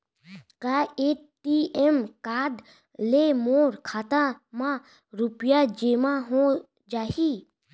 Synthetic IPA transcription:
kaeʈiemkaːd̪ | lemoːɾkʰaːt̪ãmã | ɾʊpjad͡ʒeːmãɦõ | d͡ʒaːɦiː

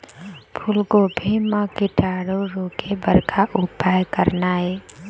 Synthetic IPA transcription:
pʰʊlkobʱimakɪʈaɾoɾokebəɾkʰaʔʊpaːjkəɾnaɦɛː

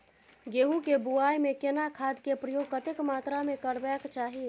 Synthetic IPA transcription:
ɡeːɦũkebuajmẽkenakʰad̪kepɾəjoːɡ̚kət̪ɪkmaːt̪ɾamẽkəɾbɛkt͡ʃaːɦi

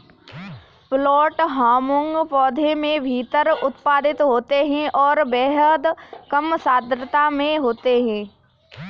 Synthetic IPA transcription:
plɔːʈɦaːmʊ̃ŋɡpɔːd̪ʱemẽbʱiːt̪əɾʊt̪paːd̪ɪt̪ɦoːt̪eɦɛ̃ʔɔːɾbɛːɦəd̪kəmsaːd̪ɾət̪amẽɦoːt̪eɦɛ̃ː

